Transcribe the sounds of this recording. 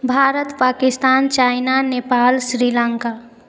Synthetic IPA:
bʱaːɾət̪paːkɪst̪aːnt͡ʃaːɪnaneːpaːlsɾiːlãŋkaː

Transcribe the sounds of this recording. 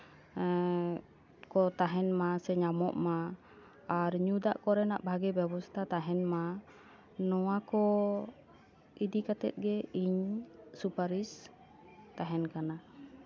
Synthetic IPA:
kɔt̪aɦɛnmasɛɲamɔ̰ʔmaː | ɾɲud̪aʔkɔɾɛnaʔbʱaɡɛbɛbɔst̪ʰat̪aɦɛnma | nɔwakɔ | id̪ikat̪ɛ̰t̪̚ɡɛiɲsupaɾis | t̪aɦɛnkana

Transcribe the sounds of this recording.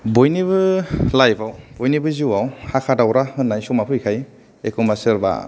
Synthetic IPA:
bojniβɯlajbawbojnibɯziwawhakʰadawɾahɯnːajsɔmapʰɯjkʰaj | ekʰɯmasɯɾba̰

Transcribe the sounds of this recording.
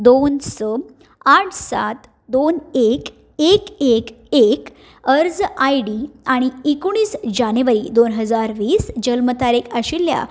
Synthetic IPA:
d̪onsɔ | aʈʰsa̰t̪ | d̪onek | ekek | ek | əɾd͡zajɽiaɽ̃iikuɽ̃iːsd͡ʑanjuʋəɾid̪onɦəd͡zaɾʋiːsd͡ʑəlmət̪aɾekəɕilːja̰

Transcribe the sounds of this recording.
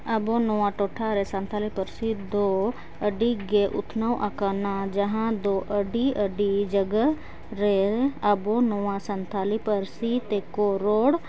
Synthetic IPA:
ɐbonowãʈoːʈʰaɾesə̃nt̪ʰaːlipəɾsid̪oː | əɖiɡeʔʊt̪ʰnəwʔəkanad͡ʒɐɦãd̪oːʔəɖiəɖid͡ʒəɡə | ɾeəbonoasənt̪ʰaːlipəɾsit̪eːkoɾoːɽ

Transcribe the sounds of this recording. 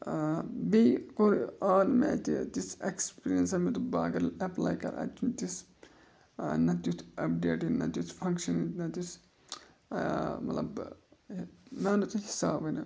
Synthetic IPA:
bikoɾiaːnmɛ̰ːt̪it̪isekspiːɾijɐnsɐmit̪ubaːɡɐɾɐpla̰ːjkɐ̰ɾɐ̰t͡ʃut̪is | nɐt̪ut̪ʰɐp̚ɖḛːʈinɐ̰t̪jut̪ʰpʰɐ̃ŋkʃɐnĩnɐt̪us | mɐ̰t̪lɐ̰b | maːnut̪uhisaːbɐnɐ

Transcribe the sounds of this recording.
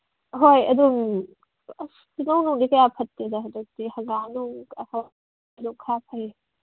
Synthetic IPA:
ɦojɐ̰duŋ | ɐ | inɐwnownikɐjapʰɐtːidɐɦɐdɐk̚tihɐɡanoŋɐhaw | dukʰapʰɐj

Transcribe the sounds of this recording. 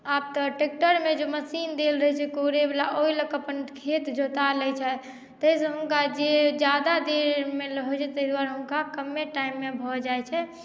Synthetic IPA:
ap̚t̪ɔʈek̚ʈəɾmed͡ʒoməsind̪elɾəɦɛt͡ʃʰɛkoɾebelaʔoiləkəpənkʰet̪d͡ʒot̪alɛjt͡ʃʰɛ | t̪əɦisə̃ɦuŋkad͡ʒed͡ʒjad̪ad̪eɾmeləɦojt͡ʃʰɛt̪əɦd̪waɾɦuŋkakəmːeʈaimːebʱɔd͡ʒajt͡ʃʰɛ

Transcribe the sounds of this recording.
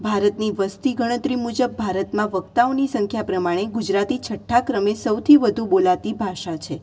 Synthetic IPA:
bʱaɾət̪niʋəst̪iɡəɽ̃ə̃t̪ɾimud͡ʒəbːʱaɾət̪mãʋək̚t̪aonisəŋkʰjapɾəmaɽ̃eɡud͡ʒɾat̪it͡ʃʰəʈʰːakɾəmesəwt̪ʰiʋəd̪ʱũbolat̪ibʱaʃat͡ʃʰe

